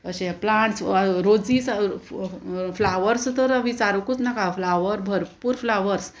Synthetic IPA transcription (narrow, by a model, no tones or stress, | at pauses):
əɕɛ̃plãɳʈsɾod͡zis | flaʋəɾst̪əɾʋit͡saɾəkut͡snakaflaʋəɾbʱəɾpuːɾflaʋəɾs